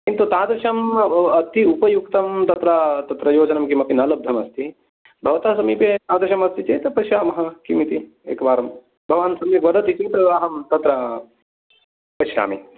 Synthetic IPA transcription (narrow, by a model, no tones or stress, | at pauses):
kint̪ut̪ãːd̪ɾiʃɐmɐt̪iupɐjuk̚t̪ɐmt̪ɐt̪ɾɐt̪ɐt̪ɾɐjoːd͡ʒɐnɐmkimɐpinɐlɐb̚d̪ʱɐmɐst̪i | bʱɐʋɐt̪aːsɐmiːpet̪ãːd̪ɾiʃɐmɐst̪it͡ʃeːt̪ɐpɐʃjaːmɐɦɐ̆kimit̪i | eːkɐʋaːɾɐm | bʱɐʋaːnsɐmiʋɐd̪ʱɐt̪it͡ʃiːt̪ɾɐʋaːɦɐmt̪ɐt̪ɾɐ | pɐʃja̰ːmi